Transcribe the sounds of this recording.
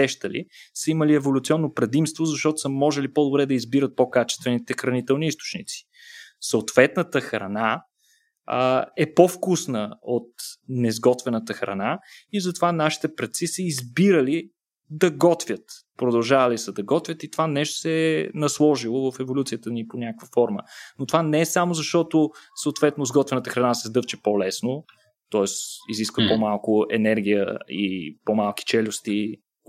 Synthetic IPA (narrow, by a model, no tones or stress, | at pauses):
ɛʃt̪əlḭsəiməliɛvolʲut̪siɔnːopɾɛd̪imst̪vozɐʃt̪ɔt̪o̥səmɔʒɛlipod̪obɾɛd̪ɐizbiɾət̪̚pokat͡ʃɛ̥st̪vɛnit̪ɛxɾɐnit̪ɛlˠniist̪o̥t͡ʃnḭt̪si̥ | səot̪vɛt̪nət̪əxɾɐ̰na | ɛpofkusnəot̪nɛzɡɔt̪vɛnət̪əxɾɐ̰naizɐt̪ovanaʃi̥t̪ɛpɾɐt̪sisəizbiɾəli | d̪ɐɡɔt̪vʲət̪pɾod̪ɐlˠʒavəlisəd̪ɐɡɔt̪vʲjət̪it̪ovanɛʃt̪o̥sɛnɐslˠɔʒilˠovəfɛvolʲut̪sijət̪əniponʲakəkvəfɔɾmə̰not̪ovanɛɛsamozɐʃt̪ɔt̪osəot̪vɛt̪nozɡɔt̪vɛnət̪əxɾɐnasɛzd̪ɤft͡ʃɛ̥polɛsno | t̪ɔɛsiziskvəpomalˠkʊɛ̰nɛɾɡʲijə̰ḭpomalˠki̥t͡ʃɛlʲʊst̪i